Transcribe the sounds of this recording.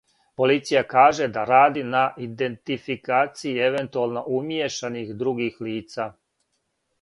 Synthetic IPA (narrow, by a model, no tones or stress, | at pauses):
po̞lit̪sijakaːʒe̞d̪aɾaːd̪inaʔid̪e̞nt̪ifikaːt̪sijie̞ʋe̞nt̪ualˠno̞ʔumjeʃanixd̪ɾuɡixliːt̪saː